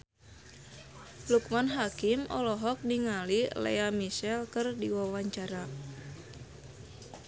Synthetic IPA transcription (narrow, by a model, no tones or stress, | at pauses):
lukmanɦakimɔ̰lɔɦɔk̚niŋalilḛamisɛlkɨrdiwawaɲt͡ʃaɾa